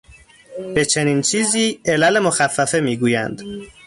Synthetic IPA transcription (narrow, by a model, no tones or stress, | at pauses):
b̥e̞t͡ʃʰe̞niːnt͡ʃʰiːziːelælemoxæfːæfemiːɡuːjænd̪